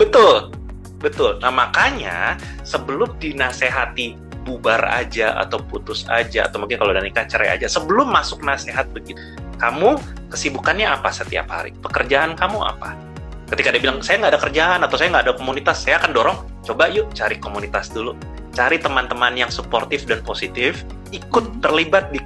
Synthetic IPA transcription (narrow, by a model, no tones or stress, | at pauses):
bət̪ʊl | bət̪ʊlnamakaɲa̰ | səbəlʊmdinaseɦat̪i | bubara̰d͡ʒaʔa̰t̪awput̪ʊsa̰d͡ʒaa̰t̪awmuŋkɪnkalodanikat͡ʃəɾa̰ja̰d͡ʒasəbəlʊmːasʊk̚naseɦat̪̚bəɡit̪u̥kamukəsibukanɲaapasət̪ia̰pha̰ɾḭpəkərd͡ʒaʔankamua̰pa̰ | kət̪ikadibilaŋsajaŋɡaːdakərd͡ʒaʔanat̪awsajaŋɡaːdakomunit̪asːajaːkandɔɾɔŋ | t͡ʃobajʊt͡ʃaɾikomunit̪asdulu | t͡ʃaɾit̪əmant̪əmanjaŋsəport̪ɪfdanposit̪ɪf | ikʊt̪ːərlibat̪̚di